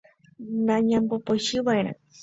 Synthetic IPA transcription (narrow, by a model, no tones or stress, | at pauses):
nãɲãmbopojʃɨβaeɾ̃ã̰